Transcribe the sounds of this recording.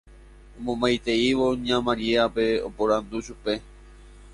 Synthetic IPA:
õmõmbajt̪e̞iʋo̞ɲãmãɾieape̞o̰poɾand̪uʃupe̞

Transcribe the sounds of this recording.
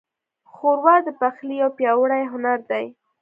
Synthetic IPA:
xoɾwɑd̪əpaxlijawpjɑwəɽajɦʊnaɾd̪aj

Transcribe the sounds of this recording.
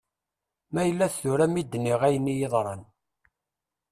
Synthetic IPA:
mæjəlːæθθʊɾæmid̪ːnːiʁæjənːijeðˤɾˤɑn

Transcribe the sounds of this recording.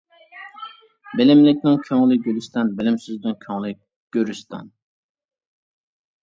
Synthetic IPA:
belɪmlɪk̚ʲnɪŋkʲʰøŋlˠɪɡʲølyst̪ɛnbelɪmsyzd̪yŋkʲʰøŋlˠɪ | ɡ̥øɾyst̪ʰɛ̰n

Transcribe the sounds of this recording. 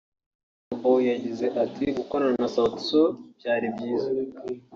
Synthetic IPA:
abojaɟize̞ʔatiɡukoɾananasatsob̥̚jaːɾibɟiːza

